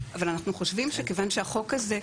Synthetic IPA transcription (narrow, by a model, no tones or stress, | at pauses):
avalanaχnuχoʃvimʃekevanʃeaχo̞kaze̞